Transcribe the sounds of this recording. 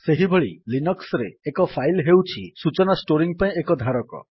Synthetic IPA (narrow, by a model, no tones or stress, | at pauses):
seɦibʱeɭilinɔksɾeːkɔpʰajlɦewt͡ʃʰisut͡ʃɔnasʈoɾiŋpaĩekɔd̪ʱaɾɔkɔ̰